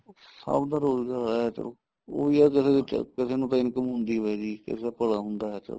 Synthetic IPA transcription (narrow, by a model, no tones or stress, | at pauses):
sə̰bd̪aːɾoːzɡaːɾɦɛːt͡ʃə̰loː | o̰ːiːɛːkɪseːet͡ʃə̰kɪseːnũːt̪ãːɪnkəmɦʊ̃nd̪iːʋɛːd͡ʒiːkɪ̰seapəɽaːɦʊnd̪aːɛːt͡ʃə̰ɾoː